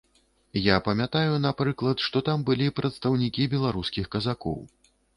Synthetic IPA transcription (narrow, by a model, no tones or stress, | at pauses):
japɐmʲat̪ajunapɾɨklˠɐt̪ʂt̪ɔt̪ambɨlʲipɾɐt̪st̪ɐwnʲikʲibʲɛlˠaɾuskʲixkɐzakɔ̰w